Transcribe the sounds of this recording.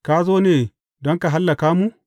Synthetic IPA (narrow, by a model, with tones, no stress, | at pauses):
kaː˦zoː˦neː˨ | dɔ˦ŋka˨ɦa˦lːa˨kaː˦mu˦ʔ